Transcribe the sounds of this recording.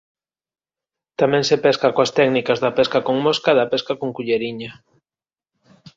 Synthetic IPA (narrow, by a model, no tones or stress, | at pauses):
t̪amɛ̃ŋsepɛskakoast̪ɛɡnikazðapɛskakoŋmoskaðapɛskakoŋkuʎeɾiɲa